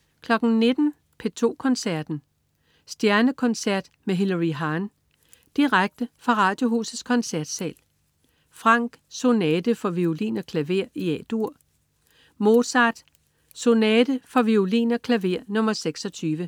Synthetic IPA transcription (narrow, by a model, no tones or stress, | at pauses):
kʰlɒ̽ɡ̥n̩ne̝d̥n̩ | pʰe̝t͡sʰo̝̰ːkʰɒ̽nsæɐd̥n̩ | sd̥jæɐnəkʰɒ̽nsæɐ̰d̥meɦe̝lɐʁiɦɑːn | d̥iʁaɡ̥̚d̥əfʁɑ̈ʁɑ̈ːd̥jo̝ɦṵsð̩ˠskʰɒ̽nsæɐd̥sɛ̰ːl | fʁɑ̈ŋ̰ɡ̥so̝nɛːd̥əfɒ̽ʋiolḭːnɒkʰlæʋe̝ɐ̰iɛd̥uɐ̰ | mo̝sɑ̈d̥ | so̝nɛːd̥əfɒ̽ʋiulḭːnɒkʰlæʋe̝ɐ̰nɔ̽mɐseɡ̥sɒ̽t͡sʰyːʋə